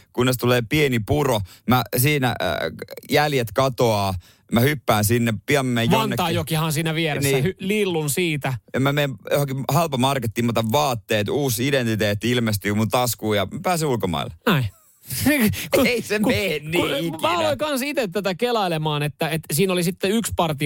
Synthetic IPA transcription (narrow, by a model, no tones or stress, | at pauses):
kunːest̪uleːpienipuromæsiːnæ̰ | jæljet̪kɑt̪oɑː | mæhypːæːnsinːepiɑmmejʋɑnɑːjokihɑnsiːnæʋierensːiːhylilːunsiːt̪æjɑmæmeimjo̰hokihɑlpɑmɑrkɑt̪ːimːɑt̪ɑʋʋɑːt̪ːeːt̪uːsident̪it̪eːt̪ːilmest̪yːmunt̪ɑskuːjɑmæpæːsiulkomɑ̰ḭlːenæi | kueisemkenniumæɑlloikɑnsit̪et̪t̪ːæt̪ækelɑilemɑːnet̪ːæet̪siːnolisit̪ːeykspɑrt̪i